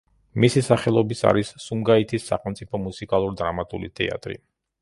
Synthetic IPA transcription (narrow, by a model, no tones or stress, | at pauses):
misisaχɛlˠɔbisa̰ɾisːumɡait̪ʰisːa̰χɛlmt̪sʼipʰɔmusikʼalˠuɾid̪ɾamat̪ʼṵlit̪ʰʼɛ̰a̰t̪ʼɾḭ